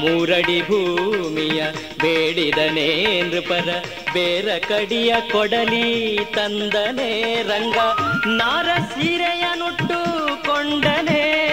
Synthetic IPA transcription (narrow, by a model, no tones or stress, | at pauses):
muːɾɐɽibʱuːmijɐ | beːɽid̪ɐnenɾupɐɾɐ | beːɾɐkɐɽijɐkɔɽɐlit̪ɐnd̪ɐneɾɐŋɡɐnaːɾɐsiːɾɛjɐnuʈːukɔɳɖɐne